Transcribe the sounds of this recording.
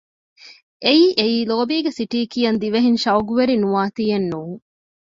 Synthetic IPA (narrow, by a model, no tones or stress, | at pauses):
ʔeiːʔeiːloːbiːɡesiʈiːkijɐnd̪iʋeɦinʃɐuɡuʋeɾinuʋaːt̪iːenːuːŋ